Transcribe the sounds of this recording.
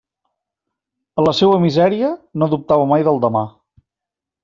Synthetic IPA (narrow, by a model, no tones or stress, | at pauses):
ələsewəmizɛɾiənoðup̚t̪aβəmajðəlˠd̪əma